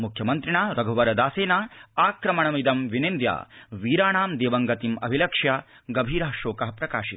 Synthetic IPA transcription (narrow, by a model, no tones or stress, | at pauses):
mukʰjɐmɐnt̪ɾiɳaːɾɐɡʱɐʋɐɾɐd̪aːseːnaːaːkɾɐmɐɳɐmid̪ɐmʋinend̪ja̰ːʋiːɾaːɳaːmd̪eːʋɐŋɡɐt̪imɐ̰bʱilɐkʂja | ɡɐbʱiːɾɐɦɐʃoːkɐɦɐpɾɐkaːʃit̪